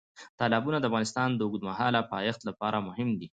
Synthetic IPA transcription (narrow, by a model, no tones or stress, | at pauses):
t̪ɑlabunad̪əafɣɑnɪst̪ɑnd̪əʊɡd̪maɦɑlapɑjaxt̪lapɑɾamʊhɪmd̪i